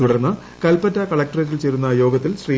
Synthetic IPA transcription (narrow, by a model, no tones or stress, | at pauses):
uɽɐrnːɨ | kɐlpɐtːɐkɐɭɐk̚ʈɐretːilt͡ɕeːɾunːɐjo̞ːɡɐt̪ːilɕriː